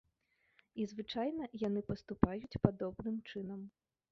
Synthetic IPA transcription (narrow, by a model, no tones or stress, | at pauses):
izvɨt͡ʂajnɐjan̪ɨpɐst̪upajut͡sʲpad̪ɔbnɨmt͡ʂɨnɐm